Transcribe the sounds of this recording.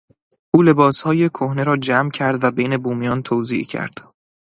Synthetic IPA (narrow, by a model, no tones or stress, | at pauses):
ʔuːle̞bɒːshɒːje̞kʰohne̞ɾɒːd͡ʒæmcʰæɾd̪væbejne̞buːmijɒːnt̪ʰoːzḭːʔcʰæ̰ɾd̪̥